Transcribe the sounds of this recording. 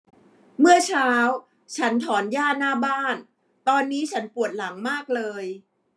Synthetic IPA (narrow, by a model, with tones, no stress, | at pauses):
mɯ˥˩ɐt͡ɕʰaː˦˥w | t͡ɕʰa˦˥nt̪ʰɔː˩˦njaː˥˩naː˥˩baː˥˩n | t̪ɔː˧nːiː˦˥t͡ɕʰa˦˥npu˨˩ət̪̚la˩˦ŋmaː˥˩k̚lɤː˧j